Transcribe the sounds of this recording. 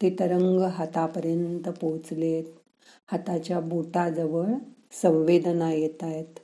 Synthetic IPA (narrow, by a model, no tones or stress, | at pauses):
t̪it̪əɾəŋɡɦat̪apəɾjənt̪əpot͡slet̪ | hət̪at͡ɕjabuʈad͡zəʋəɭsə̃w̃ʋed̪ənajet̪ajt̪